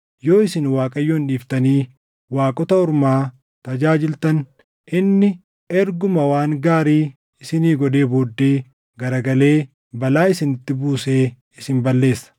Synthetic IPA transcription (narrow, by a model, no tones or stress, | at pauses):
jo̞ːɪsɪnwaːkʼɐjːoːnᶑiːft̪ɐniː | waːkʼɔt̪ɐʊɾmaː | t̪ɐd͡ʒaːd͡ʒɪlt̪ɐn | ʔɪnːɪ | ɛɾɡʊmɐwaːŋɡaːɾiː | ɪsɪniːɡɔᶑe̞ːboːd̪ːeː | ɡɐɾɐɡɐle̞ː | bɐlaːɪsɪnɪt̪ːɪbuːse̞ː | ɪsɪmbɐlːe̞ːsːɐ̥